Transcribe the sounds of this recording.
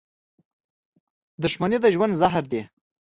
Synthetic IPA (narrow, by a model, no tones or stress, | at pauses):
d̪ʊʃmaned̪əʒwand̪zaɦɾd̪e